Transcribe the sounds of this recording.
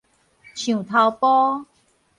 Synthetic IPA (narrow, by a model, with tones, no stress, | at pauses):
t͡ɕʰjũ˨˩t̪ʰa˧wpɔ˦